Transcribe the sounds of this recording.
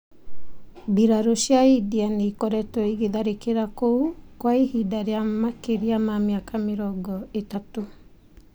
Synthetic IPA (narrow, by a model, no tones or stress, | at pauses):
biɾaɾoʃjaidianeikɔɾɛtɔiɣeðaɾekeɾakoukwaihidaɾeamakeɾiamameakameɾɔɡɔetato